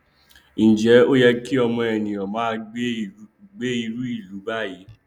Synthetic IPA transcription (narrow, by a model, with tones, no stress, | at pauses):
ĩ˨d͡ʒɛ˨˦o˦jɛ˧ki˦ɔ˧mɔ̃˧ɛ˨nĩ˨ɔ̃˨mã˨˦˧ | ɡ͡be˦i˧ɾu˦i˦˨lu˨˦ba˦˨ji˨˦